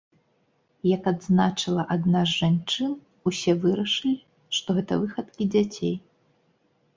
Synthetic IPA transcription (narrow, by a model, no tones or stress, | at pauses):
jɐkad̪znat͡ʂɨlˠɐʔad̪nazʐant͡ʂɨn | usʲɛvɨɾɐʂɨlʲi | ʂt̪ɔɣɛt̪ɐvɨxɐt̪kʲid͡zʲat͡sʲej